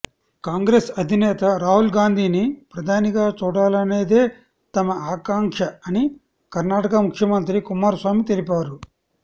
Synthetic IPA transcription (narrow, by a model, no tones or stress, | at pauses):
kaːŋɡɾeːsɐd̪ʱinɛːt̪ɐɾaːɦulɡaːnd̪ʱiːnipɾɐd̪ʱaːniɡaːt͡ʃuːɽaːlɐne̞ːd̪e̞ː | t̪ɐmɐaːkaːŋkʂɐɐni | kɐɾnaːʈɐkɐmukʰjɐmɐnt̪̬ɾikumaːɾsʋaːmit̪elipaːɾu